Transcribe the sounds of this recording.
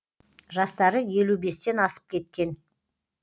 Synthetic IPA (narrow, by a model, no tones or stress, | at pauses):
ʒɑst̪ɑɾəje̞lube̞st̪e̞nɑsə̥p̚kʲʰe̞t̪̚kʲe̞n